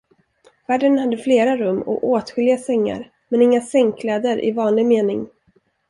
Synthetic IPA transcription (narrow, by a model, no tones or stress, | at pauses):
væːɖənhad̪ːəfleːɾaɾɵmːɔ̰ʔoːt̪ɧɪlɪasɛŋːa̰ɾ | mɛnɪŋːasɛŋkʰlɛːd̪əɾʔɪ̰vɑːnlɪɡmeːnɪŋ